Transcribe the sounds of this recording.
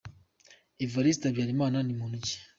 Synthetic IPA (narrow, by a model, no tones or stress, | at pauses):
ivaɾistabjaːɾimaːnanimunuci̥